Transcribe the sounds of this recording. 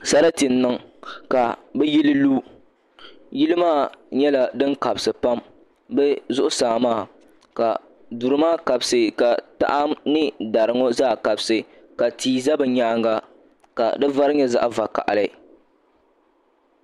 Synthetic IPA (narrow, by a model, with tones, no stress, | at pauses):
sa˦ɾa˦ti˨n˦nːɨ˦ŋka˨bɛ˦ji˦lɨ˦luː˦ | ji˦lɨ˦maː˦˨ɲɛ˦la˨dɨ˦ŋka˨bsɨ˨pa˦m | bɛ˦zʊ˦ʔʊ˦saː˨maː˦˨ | ka˨ | du˨ɾɨ˨maː˦˨ka˨bsɨ˨ka˨ta̰˦ʔa˦mnɨ˦da˨ɾɨ˨ŋɔ˦zaː˦˨ka˨bsɨ˨ | ka˨tiː˨za˦bɨ˨ɲaː˦ŋɡa˦ | ka̰˨dɨ˦va˦ɾɨ˦ɲɛ˦za̰˦ʔva˨ka̰˨ʔa̰˨lɨ˨˦˨